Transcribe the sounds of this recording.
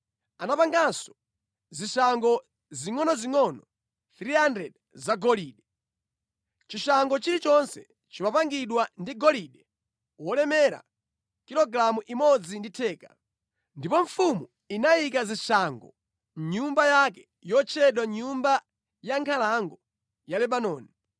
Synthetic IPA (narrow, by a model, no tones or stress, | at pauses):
anapaŋɡansɔ̥ | ziʃaŋɡɔ | ziŋɔnɔziŋɔnɔ | θɾiandɛd | zaɡɔliːɗɛ | t͡ʃiʃaŋɡɔt͡ʃiɾit͡ʃɔnsɛ | t͡ʃimapaŋɡiɗwandiɡɔliɗɛ | wɔlɛmɛɾa̰ | kilɔɡɾamuʔimɔd͡zinditʰɛːka̰ | ndipɔɱfumu | inajik̬azisaŋɡɔ̰ | ɲumbajak̬ɛ | jɔt͡ʃʰɛɗwaɲumba | jaŋkʰalaŋɡɔ | jalɛɓanɔːni